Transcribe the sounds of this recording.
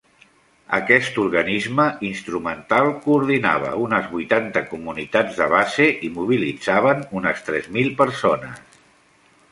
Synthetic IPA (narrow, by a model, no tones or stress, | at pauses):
ə̰kɛst̪uɾɣənizməinst̪ɾumənt̪alˠkuːɾð̞ina̰β̞ə̰unəzβujt̪ant̪əkumunit̪ad͡zðəβazeʔimuβ̞ilidd͡zaβənunəst̪ɾɛzmilˠpəɾsonə̰s